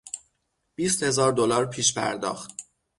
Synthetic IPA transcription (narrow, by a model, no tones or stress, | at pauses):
b̥iːst̪he̞zɒːɾd̪olɒːɾpʰiːʃpʰæ̰ɾd̪ɒ̰ːxt̪